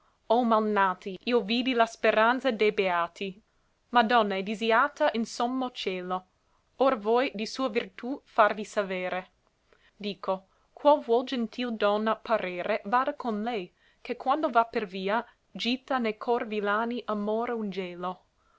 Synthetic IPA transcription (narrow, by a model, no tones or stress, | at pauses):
omalnaːt̪iʔiːoviːd̪ilaspeɾant̪sad̪ejbeaːt̪i | mad̪ɔnːaɛd̪iziaːt̪aʔinsomːot͡ʃɛːlo | orvɔjd̪isuːavirt̪ufarvisaveːɾe | d̪iːko | kʰwalvwɔld͡ʒent̪ʰild̪ɔnːapaɾeːɾevaːd̪akonlɛj | kekwand̪ovaperviːa | d͡ʒit̪ːanejkʰɔrvilaːniʔamoːɾeund͡ʒɛːlo